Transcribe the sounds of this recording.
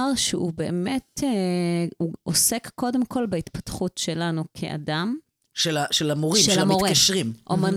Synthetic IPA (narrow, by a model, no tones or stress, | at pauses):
ʁʃeube̞ːme̞teuosekːo̞de̞mkʰo̞lbeit̪patχutʃe̞lanukʰḛʔa̰dam | ʃelaʃelamoʁimʃamioʁtikaʃʁimʔoman